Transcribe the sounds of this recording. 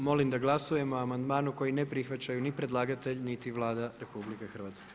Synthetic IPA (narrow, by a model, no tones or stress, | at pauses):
mo̞limd̪aɡlˠasuje̞moamand̪maːnuko̞jinepɾixʋat͡ɕajunipɾe̞d̪lˠaːɡat̪e̞ʎnit̪iʋlˠaːd̪aɾe̞publikexr̩ʋaːt̪ske̥